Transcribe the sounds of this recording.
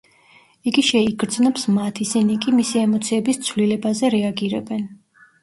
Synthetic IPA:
iɡiʃɛiɡɾd̪znɔpsmat̪ʰisinikʼimisiɛmɔt̪sʰiɛbist̪sʰvlilɛbazɛɾɛaɡiɾɛ̰bɛn

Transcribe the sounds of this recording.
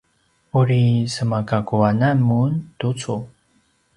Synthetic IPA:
uɾisəmakakuanamuntut͡su

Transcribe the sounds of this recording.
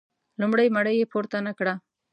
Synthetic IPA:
lʊmɽajmaɽəjepoɾt̪anakɽa

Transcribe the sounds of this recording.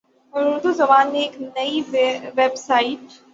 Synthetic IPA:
ʊnʊd̪uzɐbaːnːeːknɐiʋebsaːiʈ

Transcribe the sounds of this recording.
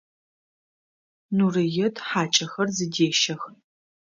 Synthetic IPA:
nuːrɨjɛtʰħaːt͡ʃʼɐxɐrzɨdeːʃɐx

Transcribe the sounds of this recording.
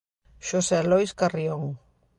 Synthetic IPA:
ʃoselojskarioŋ

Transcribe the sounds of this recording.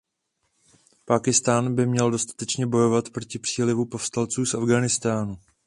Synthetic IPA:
paːkɪst̪aːnbɪmɲɛldo̞st̪ḁt̪ɛt͡ʃɲɛbo̞jo̞vat̪pɾo̞cɪpr̥iːlɪvupo̞fst̪alt͡suːsʔavɡaːnɪst̪aːnu

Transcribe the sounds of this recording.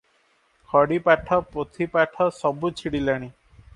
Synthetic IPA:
kʰɔɽipaʈʰɔpot̪ʰipaʈʰɔsɔbut͡ʃʰiɽilaɽ̃i

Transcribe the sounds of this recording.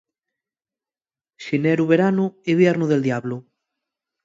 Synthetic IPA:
ʃinɛɾuβeɾanueβjɛɾnuðeld̪jaβlʊ

